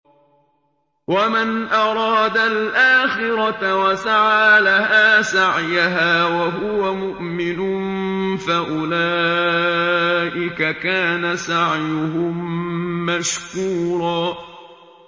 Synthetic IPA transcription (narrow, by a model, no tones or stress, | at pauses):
wamanʔɑɾˤɑːd̪alʔaːxɪɾɑtawasaʕaːlahaːsaʕjaɦaːwaɦʊwamʊʔmɪnʊnfaʔʊlaː | ʔɪkakaːnasaʕjʊɦʊmː | aʃkuːɾˤɑː